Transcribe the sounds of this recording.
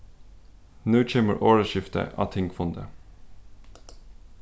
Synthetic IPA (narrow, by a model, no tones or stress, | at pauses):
nøːc͡çeːmə̰ɹʔoːɹəʃɪft̪ə̰ʔɑ̰ːt̪ʰɪŋɡfɔnd̪ə